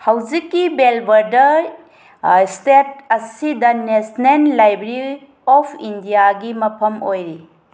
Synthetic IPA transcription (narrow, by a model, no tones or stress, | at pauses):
hɐwd͡ʒikːibelbɐɾdɐɾ | stet̚ɐsidɐnesnenlajbeɾei | ɔpʰindijaɡimɐpʰɐmojɾi